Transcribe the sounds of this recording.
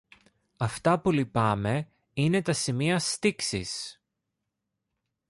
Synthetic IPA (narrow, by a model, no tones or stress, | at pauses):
ɐft̪ɐpulipɐme̞ | ine̞t̪ɐsimiɐst̪iksḭs